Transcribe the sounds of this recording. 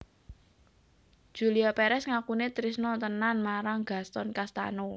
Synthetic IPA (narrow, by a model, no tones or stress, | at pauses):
d̥ʒ̥ṳliapeɾɛsŋakunet̪ɾisnɔt̪ənanmaɾaŋɡ̥ä̤st̪ɔnkast̪a̰no